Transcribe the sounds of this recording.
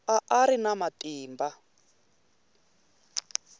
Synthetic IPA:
aʔaɾinamatiːmba

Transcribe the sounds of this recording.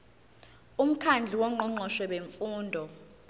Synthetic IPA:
um̩kʰand͡ɮʱiwɔŋ͡ǃɔŋ͡ǃʱɔʃwɛɓeɱfuːndʱɔ

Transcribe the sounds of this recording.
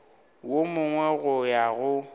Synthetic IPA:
womʊŋwɛɣʊjaɣʊ

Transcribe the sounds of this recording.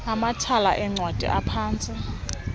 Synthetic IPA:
amatʰalaʔɛŋ͡ǀʱwad̥ʱḭʔapʰaːnt͡sʼi

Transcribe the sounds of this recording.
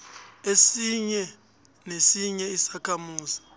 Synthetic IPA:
esiɲɛ | nesiɲɛisakʰamuːzi̥

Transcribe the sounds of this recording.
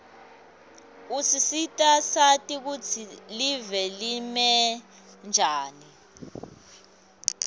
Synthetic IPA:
usisitʼasatʼik̬ut͡sʰilivɛlimɛ | nd͡ʒʱaːni

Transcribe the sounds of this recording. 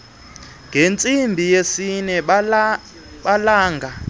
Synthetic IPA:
ŋɡʱent͡sʼimbʱijesinɛ | ɓalaːŋɡʱa

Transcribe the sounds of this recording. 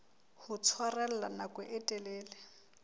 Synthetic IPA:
hʊt͡sʰwarɛl̩lanakʼʊʔɛtʼɛlɛːlɛ

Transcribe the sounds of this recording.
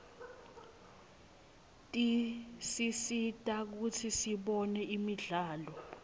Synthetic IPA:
tʼisisitʼak̬utʰisiɓɔnɛimiɮaːlɔ

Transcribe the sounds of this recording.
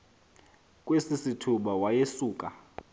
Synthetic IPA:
kʼwesisitʰuɓawajesuːkʼa

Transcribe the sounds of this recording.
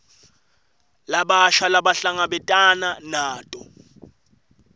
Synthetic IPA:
laɓaʃalaɓaɬaŋaɓɛtʼananaːtʼɔ

